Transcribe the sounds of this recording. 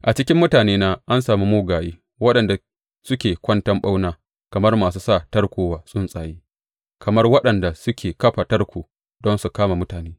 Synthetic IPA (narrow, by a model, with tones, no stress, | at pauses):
ʔa˨t͡ʃɪ˦kʲɪ˦mːʊ˦taː˨neː˦naː˦ʔa˦nsaː˨mi˦moː˦ɡaː˨jiː˦ | wɐ˦ɗɐ˨nda˨ | sʊ˦kʲeː˨kʷɐ˦ntɐ˦mɓa˦wnaː˦ | kɐ˨mɐ˦rmaː˨s̬uː˦saː˦˨tɐ˦rkʷoː˨waː˨sʼʊ˦nsʼaː˨jiː˦ | kʰɐ˨mɐ˦rwɐ˦ɗɐ˨nda˨sʊ˦kʲʰeː˨kɐ˦ɸa˨tɐ˦rkʷuː˨ | dɔ˦nsu˨kaː˦ma˨mʊ˦taː˨neː˦